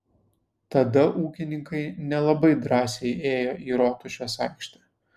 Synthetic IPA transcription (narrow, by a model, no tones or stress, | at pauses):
t̪ɐd̪ɐʔuːkʲɪnʲɪŋkɐɪnʲɛlˠɐbɐɪd̪ɾɑːsʲɛɪeːjoːʔiːɾoːt̪ʊʃʲoːsɑɪkʃʲt̪ʲɛː